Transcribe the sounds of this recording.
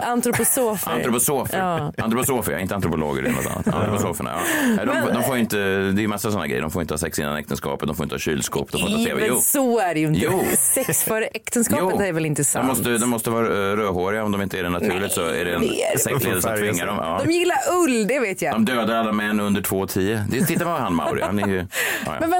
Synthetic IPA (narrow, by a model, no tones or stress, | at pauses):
ant̪ɾʊpʊsoːfanɾʊpʊsoːfəa̰nt̪ɾʊpʊsoːfəɾj̰ɾɪnt̪əant̪ɾʊpʊlo̰ːɡəɾɪ̰nɔt̪ʰa̰ːat̪ʰa̰nt̪ɾʊpʊsoːfə̰nɳa̰jɑ̰ːɛd̪ɔmfd̪ɔmfoːjʏɪnt̪əd̪ɛjʏmasːasɔnːa̰ɡɾɛ̰jːəɖdɔmfoɾjʏɪnəhɑːsɛksɪnːa̰nɛ̰kt̪ʰənskɑ̰ːpt̪d̪ɔmfoɾɪnt̪əhɑːɕyːlskṵːp̚d̪ɔmfoɾʰeːvsɔæɖɛjʉnj̪uːsɛksfœɾɛkt̪ənskɑupːəːt̪æɾvɛlɪnt̪əsdɔmːɔst̪əd̪ɔmːɔst̪əvɑːɾɾøːɦoːɾɪɡaɔmd̪ɔmɪnt̪əæɖɛnat̪ʰʉːɭɪɡt̪sɔæ̰ɖɛɛnsɛksleːd̪əsɔt̪ʰvɪŋːaɖɔmjɑːd̪ɔmjɪlːaɾɵld̪ɛveːt̪jad̪ɔmd̪øːd̪aɾalːamɛnːɵnd̪əʈʰvoːɔt̪ʰiːəd̪ɛt̪ʰɪt̪ːamanpvhanma̰ʊɾɪ̰anɛɾjɵ̰ːj̰mɛn